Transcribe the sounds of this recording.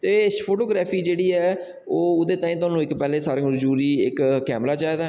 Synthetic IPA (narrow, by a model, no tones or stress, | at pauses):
t̪eːpʰoːʈoːɡɾɛːpʰiːd͡ʒeːɽiːɛː | oːʊd̪eːt̪ãːiːt̪ʊaːnũːɪkpɛːlẽːsaːɾẽːmʊɾd͡ʒuːɾiːɪkkːɛːmɾaːt͡ʃaːd̪aː